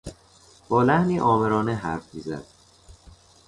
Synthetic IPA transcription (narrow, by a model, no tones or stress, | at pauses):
b̥ɒːlæhniːʔɒːmeɾɒːneɦæɾfmiːzæ̰d̪̥̚